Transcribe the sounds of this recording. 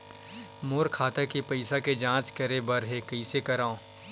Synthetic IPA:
moːɾkʰaːt̪ekipɐɪsaked͡ʒãːt͡ʃkɐɾebɐɾɦekɐisekɐɾaːõː

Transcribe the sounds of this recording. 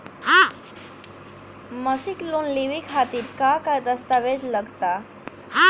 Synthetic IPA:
hã | məsiklunliʋikɦat̪iːɾkakajd̪əst̪aʋed͡zləɡt̪a | ɦa

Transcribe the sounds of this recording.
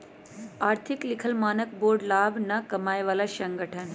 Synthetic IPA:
aːɾt̪ʰiklikʰəlmaːnək̚boːɾɖlaːbnɐkɐmaːjʋaːlaʃəŋɡəʈʰən

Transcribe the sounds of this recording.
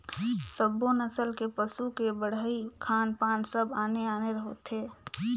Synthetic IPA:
səbːonəsəlkepəsukebəɽəikʰaːnpaːnsəbaːneaːneɾəɦot̪ɦeː

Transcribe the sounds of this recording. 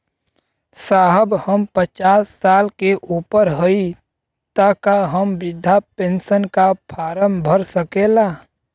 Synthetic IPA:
saːɦəbhəmpət͡ʃaːsːaːlkeʔuːpəɾɦoi | t̪akaɦəmbɪd̪ʱːapẽːnsənkapʰaːɾəmbʱəɾsəkeːlaː

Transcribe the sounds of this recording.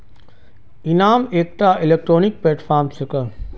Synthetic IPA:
inaːmeːk̚t̪aːɪleːk̚ʈɾoːnik̚pleːʈfaːɾmsɪkə

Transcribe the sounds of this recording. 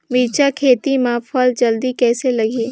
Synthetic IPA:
miːt͡ʃakʰeːt̪imãːfʰɔːld͡ʒɐld̪ikɛːselɐɡiː

